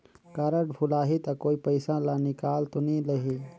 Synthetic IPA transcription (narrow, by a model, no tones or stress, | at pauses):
kaːɾəʈbʱulaːɦit̪ɐkoːipəɪsãlanikaːlt̪uniləɦi